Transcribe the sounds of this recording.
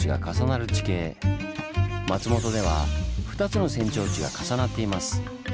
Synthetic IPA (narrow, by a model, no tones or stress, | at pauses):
iɡa̰kasanaɾɯ̟t͡ɕi̥ke̞ː | mat͡sɨmo̞t̪o̞d̪e̞β̞a̰ɸɯ̟̥t̪at͡sɨno̞sẽ̞ɲ̟t͡ɕo̞ːt͡ɕiɡa̰kasanat̪ːe̞imasɨ̥